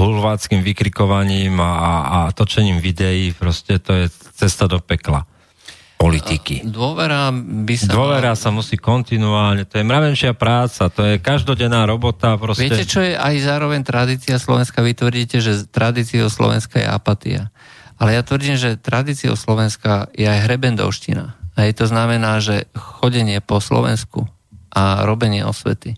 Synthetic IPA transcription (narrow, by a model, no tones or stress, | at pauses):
ɦulʋaːt͡skimʋikɾikɔʋaɲiːmat̪ɔt͡ʃɛɲiːmʋid̪ɛjiːpɾɔscɛt̪ɔjɛt͡sɛst̪ad̪ɔpɛkla̰ | pɔlit̪ikid̪ʊɔʋɛɾabisdaʊɔʋɛɾasamusiːkɔnt̪inuaːlɲɛt̪ɔjɛmɾaʋɛnʃɪapɾaːt͡sat̪ɔjɛkaʒd̪ɔɟɛnːaːɾɔbɔt̪apɾɔsʋɪɛɛcɛt͡ʃɔjɛʔajzaːɾɔʋɛɲt̪ɾad̪iːt͡siaslɔʋɛnskaʋit̪ʋr̩ɟiːcɛʒɛt̪ɾad̪iːt͡siɔslɔ̰ʋɛ̰nskajɛ̰ʔa̰pat̪ḭa̰ | ʔalɛjat̪ʋr̩ɟiːmʒɛt̪ɾad̪iːt͡sio̰slɔʋɛnskajɛajɦɾɛbɛnd̪ɔ̰ʊʃcḭna̰ɦɛjt̪ɔznamɛnaːʒɛxɔɟɛɲɪɛpɔslɔ̰ʋɛ̰nskṵ | ʔaɾɔbɛɲɪɛ̰ɔ̰sʋɛ̰t̪i